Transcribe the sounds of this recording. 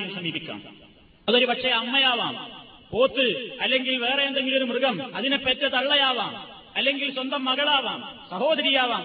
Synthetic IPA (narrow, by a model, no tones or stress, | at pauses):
jumsɐmiːbikʲːa̰ːm | ɐðoɾupɐkʂeɐmːɐjaːʋa̰ːm | po̞ːt̪ːɨɐlːe̞ŋɡilʋe̞ːrejend̪eŋɡilo̞ɾumrɨɣɐmɐðinepːet̪ːɐt̪ɐɭːɐjaːʋaːm | ɐlːe̞ŋɡilswɐnd̪ɐmːɐɣɐɭaːʋaːmsɐho̞ːd̪ɐɾijaːʋaːm